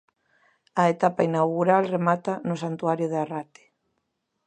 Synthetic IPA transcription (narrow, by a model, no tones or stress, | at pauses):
ɐet̪apainawɣuɾalremat̪anʊsant̪uaɾjʊðearat̪ɪ̥